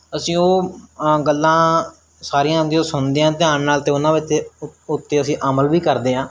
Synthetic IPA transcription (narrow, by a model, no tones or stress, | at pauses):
əsĩːoːɡəlːãː | saːɾijãːd̪ioːsʊnd̪eːãːt̪ɪãːnːaːlt̪eːʊnãːʋɪt̪eʊt̪ːeːəsĩːʔəməlʋiːkəɾd̪eːɦãː